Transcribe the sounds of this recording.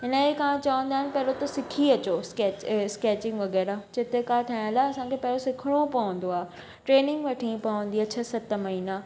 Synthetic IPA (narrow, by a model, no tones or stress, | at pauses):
ɦɪnəekaãt͡ɕɐʋə̃nd̪aːɦɪnpɐɦɾot̪ɐsɪkʰiɐt͡ɕoskeːt͡ɕskeːt͡ɕɪ̃ŋɡʋɐɣɛːɾad͡ʑet̪ekaʈʰaj̃laɐsãkʰepɐɦɾosɪkʰɪɽ̃opɐʋə̃n̆d̪oaː | ʈɾeːnɪ̃ŋɡʋɐʈʰĩpɐʋə̃nd̪iɐt͡ɕʰasɐt̪mɐɦiːna